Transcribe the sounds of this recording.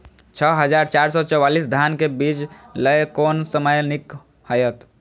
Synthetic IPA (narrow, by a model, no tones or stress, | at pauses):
t͡ʃʰəɦəd͡ʒaːɾt͡ʃaːɾsɔt͡ʃɔwaːlisd̪ʱjankebiːt͡ʃləjkoːnsəməjnɪk | həjət̪